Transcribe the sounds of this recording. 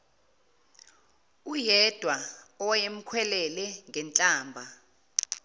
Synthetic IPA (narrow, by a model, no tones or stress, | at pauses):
ujɛd̥ʱwaɔjem̩kʰwɛlɛlɛŋɡʱɛnt͡ɬʼaːmbʱa